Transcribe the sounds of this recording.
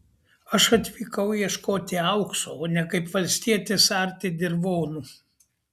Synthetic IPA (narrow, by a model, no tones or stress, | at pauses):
ɐʃɐt̪ʲʋʲiːkɐʊiɛʃkoːt̪ʲɪɐʊksoːoːnʲɛkɐɪpʋɐlʲsʲt̪ʲiɛt̪ʲɪsɐɾʲt̪ʲɪd̪ʲɪɾʋoːnu